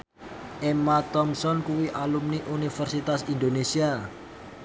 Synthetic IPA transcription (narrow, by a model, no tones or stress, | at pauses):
ʔemat̪ɔmsɔnkuwiʔalumniʔunifərsit̪asind̪onesia